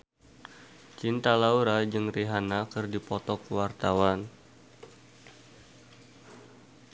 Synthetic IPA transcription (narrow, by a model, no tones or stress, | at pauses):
t͡ʃint̪alauɾad͡ʒɨŋriɦanakɨrdipɔt̪ɔkwart̪awan